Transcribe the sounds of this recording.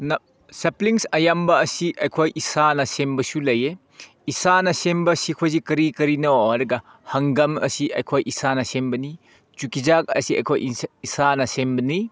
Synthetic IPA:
nɐ | sɐpliŋsɐjambɐːsiʔɐjkʰojʔisanɐsembɐsulɐje | isanɐsembɐsikʰojzikɐɾikɐɾinɐwhɐɾɐɡɐ | hɐŋɡɐmɐ̰siɐjkʰojʔisanɐsembɐni | t͡ʃukizak̚ɐ̰siɐ̰jkʰo̰jisanɐsembɐni

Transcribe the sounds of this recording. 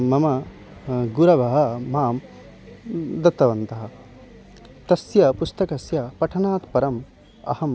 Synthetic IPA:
mɐmɐ | ɡuɾɐʋɐɦɐmaːm | d̪ɐt̪ːɐʋɐnt̪ɐɦɐ̆ | t̪ɐsjɐpust̪ɐkɐsjɐpɐʈʰɐnaːt̪pɐɾɐm | ɐ̰hɐm

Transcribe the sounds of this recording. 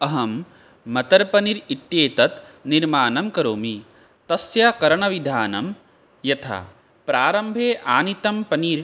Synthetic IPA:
ɐɦɐmː | ɐt̪ɐɾpɐniɾit̪jeːt̪ɐt̪niɾmaːnɐmkɐɾoːmi | t̪ɐsjakɐɾɐɳɐʋid̪ʱaːnɐ̰m | jɐt̪ʰa̰ː | pɾaːɾɐmbʱeːʔaːnit̪ɐmpɐniːɾ

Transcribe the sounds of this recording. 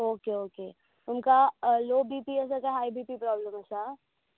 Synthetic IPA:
oːkeoːke | t̪ʊmkaloːbiːpiɛs̬akaɦaːibiːpipɾɔːbləmɐsa

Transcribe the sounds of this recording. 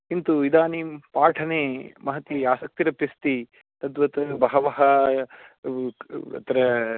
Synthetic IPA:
int̪uid̪aːnipaːʈʰɐneːmɐɦɐt̪iaːsɐk̚t̪iɾɐpist̪i | t̪ɐt̪ʋɐt̪ɐbɐɦɐʋɐɦɐ | ɐ̰t̪ɐɾɐ

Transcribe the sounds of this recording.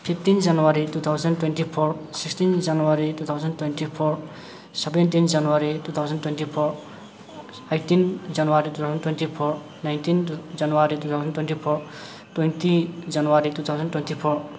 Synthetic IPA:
pʰipʰt̪ind͡ʒanuaɾit̪ut̪ʰawzəntwenʈipʰɔɾsikstind͡ʒanuwaɾit̪ut̪ʰawzəntwenʈipʰɔɾ | sʌbentind͡ʒanuwaɾit̪ut̪ʰawzəntwenʈipʰoɾ | ejʈind͡ʒanuwaɾit̪ut̪ʰawzəntwenʈipʰɔɾ | najntind͡ʒanuwaɾit̪ut̪ʰawzənʈwenʈipʰɔɾ | twent̪id͡ʒanuwaɾit̪ut̪ʰawzəntwent̪ipʰɔɾ

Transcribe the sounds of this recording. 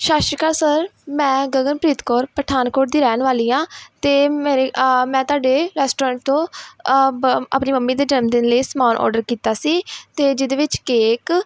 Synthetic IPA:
ʃaːʃɾkaːɾsəɾmɛ̃ːɡəɡənpɾiːt̪kɔːɾpəʈʰaːnkoːʈ̚d̪iːɾɛːnʋaːliːãːt̪eːmeːɾemɛ̃ːt̪ʊaːɖeːɾɛːsʈoːɾə̃ːɳʈ̚t̪õː | a̰ːpniːməmːiːd̪eːd͡ʒənmd̪ɪnləiːsəmaːnʔɔ̰ːɾɖəɾkiːt̪aːsiːt̪eːd͡ʒɪd̪eːʋɪt͡ʃkeːk

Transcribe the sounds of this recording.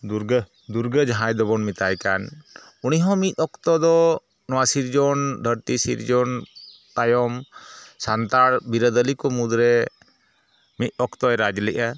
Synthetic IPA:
d̪uɾɡə | d̪uɾɡəd͡ʒɦãjd̪ɔbɔnmit̪ajkan | uniɦɔ̃mit̪̚ˀɔkt̪ɔd̪ɔ | nɔwasiɾd͡ʒɔnd̪ʱəɾt̪isḭɾd͡ʒɔn | t̪ajɔmsant̪aɽbiɾəd̪əlikɔmud̪ɾɛ | mit̪̚ˀɔkt̪ɔɛɾad͡ʒlɛʔa

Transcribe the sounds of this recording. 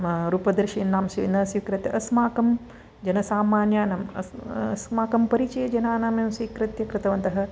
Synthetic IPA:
ɾuːpɐd̪ɐɾʃiːnːaːmsiʋinɐsikɾɪt̪jɐʔɐsmaːkɐm | d͡ʒɐnɐsaːmaːnjaːnɐmɐ̰smaːkɐmpɐɾit͡ʃɐjɐd͡ʒɐnaːnaːmjɐmsʋiːkɾɪt̪jɐkɾɪt̪ɐʋɐnt̪ɐɦɐ̆

